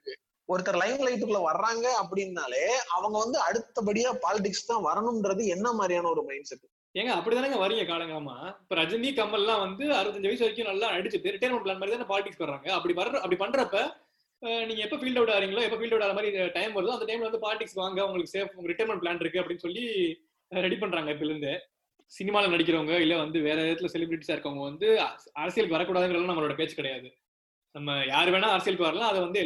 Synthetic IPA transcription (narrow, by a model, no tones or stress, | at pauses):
ɔɾɯt̪ːɐɾɐlɐɪnlɐɪʈ̬ːɯkːɯlɐʋɐɾɐɾaːŋɡɐɐp̬ːɐɽɪnːaːleːɐʋɐŋɡɐʋɐnd̪ɯɐɽɯt̪ːɐp̬ɐɽɪjaːpaːlɪʈ̬ɪkst̪ãːʋɐɾɐnɯmɛnɾɐðɯɛnːɐmaːd̪ɾijaːnɐɔɾɯmɐɪɳɖsɛʈːɯ | eːŋɡɐɐpːɐɽit̪aːnaːŋɡɐʋɐɾɯŋɡɐkaːɭɐŋɡɐɐmːaːpːoːɾɐd͡ʒɐnːikɐmːɐlɛlːãːʋɐnd̪ɯɐɾɯʋɐt̪ːɐɲd͡ʒʋɐɪsʋɐɾɪkːjʊ̃nɐlːãːɐɽɯt͡ʃːɯt̪ːɯɾɪʈːɐjɾmɛɳʈp̬laːnmaːdɾt̪anːãpaːlɪʈɪkskʋɐɾɾaːŋɡɐɐpːɐɽipɐɾɾɐpɐɽipɐɳːɾɐpːɐ | niːŋɡɐɛpːofiːlɖɐʋʈːaːɾʋiːŋɡɐɭõːɛpːɐfiːlɖɐʋɪʈːaːɾɐmaːd̪ɾiʈɐɪmʋɐɾɐðʊ̃ɐnd̪ɐʈɐɪmlʋɐnd̪ɯpaːlɪʈːɪkskːɯʋaːŋɡɐʊŋɡɐɭɯkːɯseːfʊŋɡɐɾɪʈɐjɾmɛɳʈ̚plaːnɪɾɯkːɯɐpːɐɽɪnːɯsɔlːi | ɾɛɽip̬ɐɳːɾaːŋɡɐɪp̬ːoɪɾɯnd̪e | sɪnɪmaːlɛnɐɽɪk̬ʲːɪɾɐʋɐŋɡɐɪlːɛʋɐnd̪ɯʋeːɾɛɪðɐt̪ːɪlɐsɛlɪbɾɪʈːisaːɪɾɯkːɐʋʊŋɡɐʋɐnd̪ɯɐɾɐsɪjɐɭɯk̬ːɯʋɐɾɐkːuːɽaːðɯŋɡɾɐlːãːnɐmːɐɭoːɽɐpeːt͡ʃːɯ̥kɪɽɐjaːðɯ | nɐmːɐjaːɾɯʋeːnãːɐɾɐsɪjɐɭɯkːɯʋɐɾɐlãːɐðɛʋɐnd̪ɯ